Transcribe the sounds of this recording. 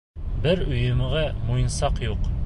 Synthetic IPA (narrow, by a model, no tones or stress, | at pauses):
bɘɾɵ̆jɘ̆mɘ̆ʁæmujɤ̆nsɑqjuq